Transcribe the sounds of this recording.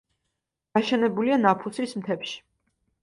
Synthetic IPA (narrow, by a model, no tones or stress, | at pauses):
d̪̥aʃɛnɛbulianapʰusismt̪ʰɛpʃi̥